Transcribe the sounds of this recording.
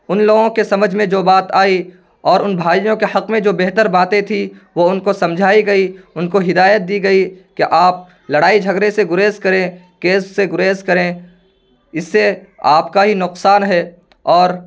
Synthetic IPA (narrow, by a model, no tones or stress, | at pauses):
ʊnloːɡõkesɐməd͡ʒʱmẽd͡ʒoːbaːt̪aːi | ɔːɾʊnbʱaːijõkehɐqmẽd͡ʒoːbɛɦt̪əɾbãːt̪ẽt̪ʰiʋoʊnkosɐ̃md͡ʒʱaːiɡɐiʊnkoɦɪd̪aːjət̪̚d̪iɡɐikeʔaːp̚ | lɐɽaːid͡ʒʱɐɡɾeseɡʊɾeːzkɐɾẽ | keːsːeɡʊɾeːzkɐɾẽ | ɪsːeaːpkaɦinʊqsaːnɦɛː | ɔːɾ